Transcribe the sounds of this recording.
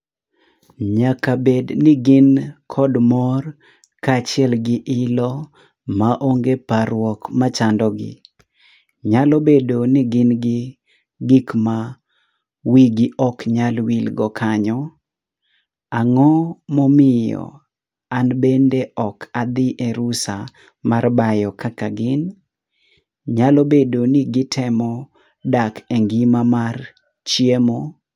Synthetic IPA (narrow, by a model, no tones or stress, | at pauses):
ɲakabednɪɡɪnkʰɔdmɔr | kat͡ʃɪɛlɡɪʔɪlɔ | maʔoŋɡeparwɔkmat͡ʃandɔɡɪ̰ | ɲalɔbedonɪɡɪnɡɪ | ɡɪkma | wiɡɪʔɔkɲalwilɡɔkʰaɲɔ | aŋɔmɔmɪjɔ̰ | anbendeɔkʰad̪ɪʔeɾusa | marbajɔkakaɡɪn | ɲalɔbedonɪɡɪtʰɛmɔ | dakeŋɡimamar | t͡ʃiemo